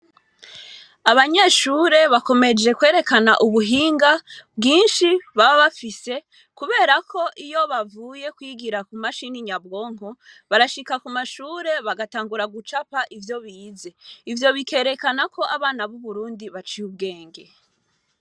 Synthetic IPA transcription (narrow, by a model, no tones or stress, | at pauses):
aβaɲeːʃuɾe̞βako̞me̞d͡ʒe̞kwe̞ːɾe̞kana̰ʔuβuɦiːŋɡabɡiːnʃiβaβaβafise̞ | kuβe̞ːɾakʰo̞ʔijo̞βavuje̞kwiːɡiɾakumaʃiniɲab̚ɡo̞ːŋ̥oβaɾaʃikakumaʃuːɾe̞βaɡataːŋɡuɾaɡut͡ʃapaʔivjo̞βiːze̞ivjo̞βike̞ːɾe̞kanakʰo̞ʔaβaːnaβuβuɾuːndiβat͡ʃijub̚ɡe̞ːŋɡe̞